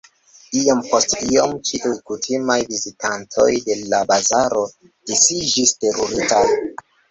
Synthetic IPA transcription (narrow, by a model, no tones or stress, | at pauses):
iompostiomt͡ʃiʔujkutʰimajvizitʰantʰo̞̰jde̞labazaɾo̞ | d̥esid͡ʒiste̞ɾoɾitaj